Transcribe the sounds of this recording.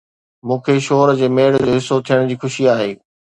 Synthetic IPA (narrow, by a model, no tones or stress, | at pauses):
mũːkʰeʃoːɾd͡ʑeːmeːɽd͡ʑoːɦɪsot̪ʰijəɽ̃d͡ʑiːxʊʃiaːɦeː